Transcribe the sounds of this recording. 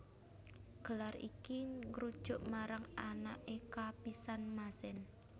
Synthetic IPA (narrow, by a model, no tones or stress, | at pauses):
ɡ̥ə̤larḭkiŋɾud̥ʒ̥ʊ̤ʔmaɾaŋanaʔekapisanmasɛn